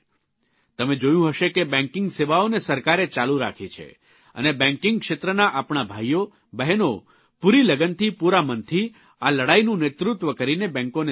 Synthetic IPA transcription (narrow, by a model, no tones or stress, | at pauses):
t̪əmed͡ʒojũɦəʃekebɛ̃ŋkɪ̃ŋɡseʋaonesəɾkaɾet͡ʃalũɾa̰kʰit͡ʃʰḛ | ə̰nebɛ̃ŋkɪ̃ŋɡkʃet̪ɾənaʔapɳabʱajo | bəɦɛno | puɾiləɡənt̪ʰipuɾamənt̪ʰi | aləɽainũnet̪ɾʊt̪ʋəkəɾinebɛ̃ŋkone